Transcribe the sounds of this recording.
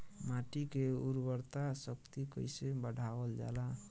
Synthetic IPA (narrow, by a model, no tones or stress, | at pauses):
maʈikeuɾbəɾt̪asəkt̪ikə̰jsebəɽʱabəld͡ʒa̰la